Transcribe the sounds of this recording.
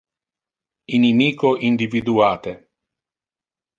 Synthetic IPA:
inimiːkoʔind̪ivid̪uaːt̪e

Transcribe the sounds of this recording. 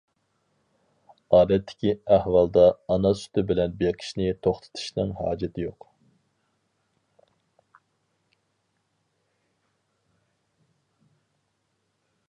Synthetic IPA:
ɑːd̪ɛt̪ʰːɪ̥kʲiæhwɑlˠd̪ɑːnɑsy̥t̪ʰɪbɪlɛnbeqʰɪ̥ʃnɪt̪ʰoχt̪ʰɨ̥t̪ʰu̥ʃnɨŋɦɑ̰ːd͡ʒɪt̪ʰɪjoq

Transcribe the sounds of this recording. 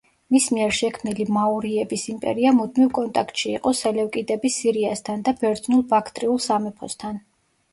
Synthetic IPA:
mismiɛɾʃɛkʰmnilimauɾiɛbisimpʼɛ̰ɾiamud̪̚mivkʼɔnt̪ʼakʰt̪ʃiːqʼɔsɛlɛwkʼid̪ɛbisiɾiast̪ʰand̪abɛɾd̪znulˠbakʰt̪ʼɾiulˠsamɛpʰɔ̰st̪ʰan

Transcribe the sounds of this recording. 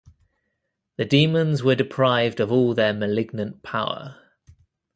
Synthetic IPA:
ðədiːmə̃nzwədɪpʰɹ̥aɪvdəvɔːlˠðəməlɪɡ̚nə̃npʰaʊə̰

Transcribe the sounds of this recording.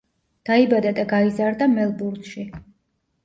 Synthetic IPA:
d̪̥aibad̪ad̪aɡaizaɾd̪amɛlˠbuɾd̪ʃi

